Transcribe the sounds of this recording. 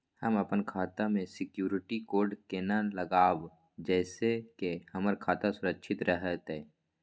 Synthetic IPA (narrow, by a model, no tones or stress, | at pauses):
həməpənkʰaːt̪amẽsɪkjuːɾɪʈikoːɾɖkeːnaləɡaːw | d͡ʒɛːsekehəməɾkʰaːt̪asʊɾəkʃʰɪt̪ɾəɦət̪ɦẽː